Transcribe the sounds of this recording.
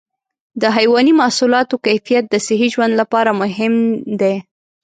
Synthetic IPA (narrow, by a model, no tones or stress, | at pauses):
d̪əɦajwɑnimasulɑt̪okajfijat̪̚d̪əsɪɦiʒwand̪lapɑɾamʊɦɪmd̪e